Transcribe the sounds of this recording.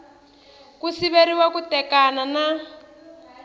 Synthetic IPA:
kusiβeɾiwakutɛkanana

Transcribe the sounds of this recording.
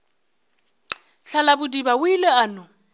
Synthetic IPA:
ɬalabʊdibawʊilɛaːnʊ

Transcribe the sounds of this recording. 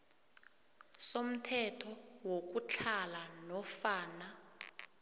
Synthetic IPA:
som̩tʰɛtʰɔwok̬ut͡ɬʰalanɔfaːna

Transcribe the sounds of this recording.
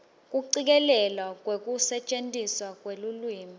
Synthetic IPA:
k̬ʼuǀik̬ɛlɛlwak̬ʼwek̬ʼusɛt͡ʃʼentʼiswak̬ʼwelulwiːmi

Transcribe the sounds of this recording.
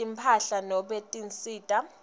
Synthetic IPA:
impʰaɬanɔɓetʼinsʼiːtʼa

